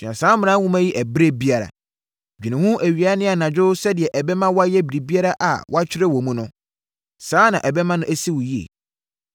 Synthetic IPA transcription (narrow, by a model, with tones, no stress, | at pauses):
t͡ɕᶣã̰˨sãː˨˦m˨ã˦wũ˦mæ̃˦ji˦ʔæ˨bɾe˦bi˦a˨ɾa̰˨ | d͡ʑᶣi˨nɪ̃˨hũ˦ʔæ˨ɥi˨a˨˦nɪ̃˦a˨nã˨d͡ʑᶣʊ˦sɛ˦dɪ˨ɛ˨ʔɛ˨bɛ˦mã˦wa˦jɛ˦bi˨ɾi˨bi˦a˦ɾa˦ʔa̰˨wɔ˦a˦t͡ɕᶣʰɪ˦ɾɛ˦wɔ˨mũ˦nʊ̃˦ | sãː˨˦nã˨ʔɛ˨bɛ˦mã˦nʊ̃˦ʔæ˦si˦wʊ˨ji˦ḛ˨